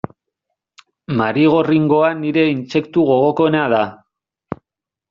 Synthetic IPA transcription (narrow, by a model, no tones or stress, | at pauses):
maɾiɣ̞o̞riŋɡo̞aniɾe̞inse̞kt̪uɣ̞o̞ɣ̞o̞ko̞enaða